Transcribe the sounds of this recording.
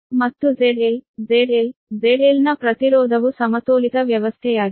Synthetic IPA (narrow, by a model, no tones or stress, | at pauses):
mɐt̪ːuzeɽilzeɽilzeɾiːlnɐpɾɐt̪iɾɔːd̪ʱɐʋusɐmɐt̪oːlit̪ɐʋjɐʋɐst̪ʰɛjaːɽ